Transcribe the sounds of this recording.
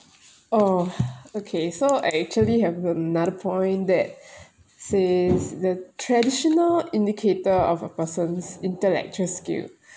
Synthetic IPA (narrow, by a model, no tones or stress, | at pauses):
ʔo | okʰesoaɛk̚t͡ʃuəliɦɛvənadəpʰɔ̃ɪ̃ndɛt̚ | sesdətʰɹɛdiʃɔnəlĩndikʰetəɔfəpəsə̃nsĩntəlɛ̰k̚t͡ʃuɹəlskḭl